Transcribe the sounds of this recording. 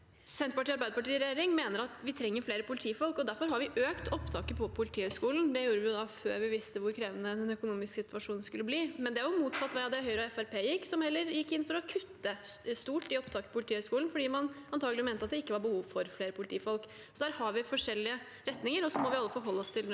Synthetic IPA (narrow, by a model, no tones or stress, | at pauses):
sɛnt̪ɾpɑʈiːɑɾbæɪd̪əpɑʈiːɾɛjeːɾɪŋmeːnəɾɑt̪ʋɪt̪ʰɾɛŋːəɾfleːɾəpʰʊlɪt̪ʰiːfɔlkɔd̪æɾfɔɾɦɑɾʋɪʔøːkt̪ʰɔpt̪ʰɑːkəpʰɔpʰʊlɪt̪ʰiːhœʏskuːln̩d̪ɛjuːɾəʋɪjʊd̪ɑføːɾʋɪʋɪst̪əʋʊɾkʰɾeːʋənəd̪ɛnœkʊnuːmɪsksɪt̪ʉʋɑʂuːnskʉlːəbliːmɛnd̪ɛæɾjʊmuːt̪sɑt̪ːʋæɑd̪ɛhœʏɾəɛfæɾpʰeːjɪkːsɔmhɛlːəɾjɪkːɪnːfɔɾɔkʰʉt̪ːəst̪uːʈːɪɔpt̪ʰɑːkəpʰɔpʊlt̪iːœʏskuːln̩fɔɖiːmɑnɑnt̪ʰɑːɡəlɪmeːnɑt̪d̪ɛɪkːəʋɑɾbəhuːʋfɔɾfleːɾəpʰʊlɪt̪iːfɔlk | sɔd̪æːɾhɑɾʋɪfɔʂɛlːɪə | ɾɛt̪nɪŋəɾɔsɔmɔʋɪɑlːəfɔɾɦɔlːəɔst̪ʰɪl